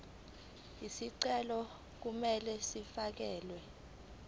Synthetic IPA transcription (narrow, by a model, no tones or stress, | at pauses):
isiǀɛlɔ | k̬umɛlɛsifak̬ɛːlwɛ